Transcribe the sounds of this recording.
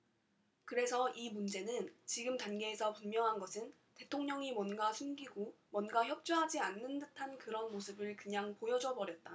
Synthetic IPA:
kɯɾe̞sʰʌʔimund͡ʑe̞nɯnt͡ɕiɡɯmtanɡe̞ːsʰʌpunmjʌŋɦanɡʌsʰɯn | te̞tʰoŋɲʌŋimwʌnɡasʰumɡiɡomwʌnɡaçjʌp̚t͡ɕ͈uɦad͡ʑianːɯndɯtʰankɯɾʌnmosʰɯbɯɭkɯɲaŋpojʌd͡ʑʌbʌɾjʌt̚t͈a

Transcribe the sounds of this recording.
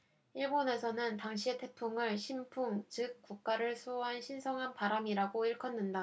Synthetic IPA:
iɭbone̞sʰʌnɯntaŋɕ̬ʰie̞tʰe̞pʰuŋɯɭɕʰimpʰuŋt͡ɕɯk̚k͈uk̚k͈aɾɯɭsʰoɦanɕʰinsʰʌŋɦanpaɾamiɾaɡoiɭkʰʌnːɯnda

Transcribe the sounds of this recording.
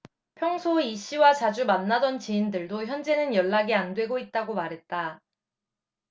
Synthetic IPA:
pʰjʌŋsʰoiɕ͈ʰiwat͡ɕad͡ʑumanːadʌnt͡ɕiindɯɭdoçjʌnd͡ʑe̞nɯnjʌɭːaɡiandwe̞ɡoit̚t͈aɡomaɾɦe̞t̚t͈a

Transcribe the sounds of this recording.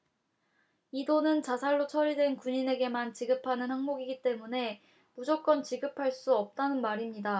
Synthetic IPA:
idonɯnt͡ɕasʰaɭːot͡ɕʰʌɾidwe̞nkuɲine̞ɡe̞mant͡ɕiɡɯpʰanɯnhaŋmoɡiɡit͈e̞mune̞ | mud͡ʑok͈̚ʌnt͡ɕiɡɯpʰaɭs͈uʌp̚t͈anɯnmaɾimɲida

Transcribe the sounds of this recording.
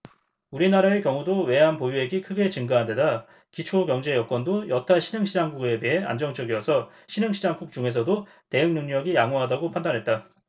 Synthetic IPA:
uɾinaɾaekjʌŋudowe̞ɦanpojue̞ɡikʰɯɡe̞t͡ɕɯŋɡaɦandeda | kit͡ɕʰokjʌŋd͡ʑe̞jʌkwʌndojʌtʰaɕʰinɯŋɕʰid͡ʑaŋɡuɡe̞beɦea̰nd͡ʑʌŋt͡ɕ͈ʌɡijʌsʰʌ | ɕʰinɯŋɕʰid͡ʑaŋk͈uk̚t͡ɕ͈uŋe̞s̬ʰʌdo | te̞jɯŋnɯŋɲʌɡijaŋoɦadaɡopʰandanɦe̞t̚t͈a

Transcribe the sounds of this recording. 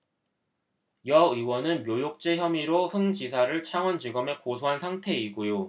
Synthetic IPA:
jʌɯwʌnɯnmjojok̚t͡ɕ͈e̞çjʌmiɾoɸɯŋd͡ʑisʰaɾɯɭt͡ɕʰaŋwʌnd͡ʑiɡʌme̞kosʰoɦansʰaŋtʰe̞iɡojo

